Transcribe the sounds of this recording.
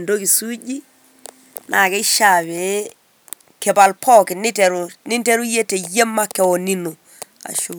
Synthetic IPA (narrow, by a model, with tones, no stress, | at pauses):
ndo˦ki˨su˦d͡ʒi˦ | na˨kɛ˦ʃa˨βe˨˦ | kɛ˨ba˨lpʰɔ˦kɪ˨nɪ˦tɛ˨ɾnɪ˦n˦te˦ɾu˦je˦te˨je˦mːa˦kːɛ˨wo˨ni˦no˨ | a̰˨ʃo˦